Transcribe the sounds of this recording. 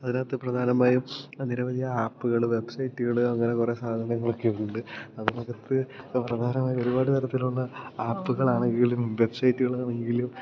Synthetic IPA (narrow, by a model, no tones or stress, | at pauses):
ɐðinaːt̪ːɨprɐd̪ʱaːnɐmaːjumniɾɐʋɐd̪ʱijɐaːpːuɣɐɭʋe̞bsɐjtːuɣɐɭɐŋːɐne̞kure̞saːd̪ʱɐnɐŋːɐɭokːeuɳɖɨɐðɨmokːɐt̪ːɨprɐd̪ʱaːnɐmaːjio̞ɾubaːɽɨt̪ɐɾɐt̪ːiluɭːɐaːpːuɣɐɭaːɳeŋɡilumʋe̞bsɐjtːuɣɐɭɐɳeŋŋɡilum